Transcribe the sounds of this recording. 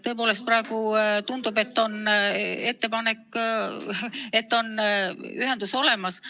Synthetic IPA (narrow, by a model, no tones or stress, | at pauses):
t̪ɤ̞poːle̞st̪̚prɑe̞ɡ̥ut̪und̪̥ube̞t̪ːo̞ne̞t̪ːe̞pɑne̞kː | e̞t̪ːo̞nyɦe̞nd̪uso̞le̞mɑs